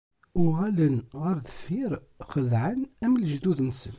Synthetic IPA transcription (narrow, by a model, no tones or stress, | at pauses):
ʊʁælənʁəɾðəfiɾ | χəðʕənæmlʒd̪uðnsən